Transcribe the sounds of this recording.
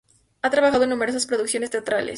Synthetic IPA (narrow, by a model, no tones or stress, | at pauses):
at̪ɾaβaxaðoenːumeɾo̞s̬aspɾo̞ðuksjo̞nest̪e̞at̪ɾalḛs